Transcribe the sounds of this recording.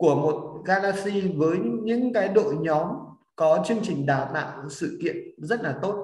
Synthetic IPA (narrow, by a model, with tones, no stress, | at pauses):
ku˧˩əmo˨˩t̚ɣaː˧laː˧si˧vəː˨˦jɲɨ̰˧˥ŋkaː˨˦jɗo̰˧˨ɲɔ˨˦m | kɔ˨˦t͡ɕɨ˧əŋt͡ɕï˨˩ŋ̟ɗaː˨˩wna̰ː˧˨ŋsɨ̰˧˨kḭ˧˨ənzə˦˥t̚laː˨˩t̪o˦˥t̚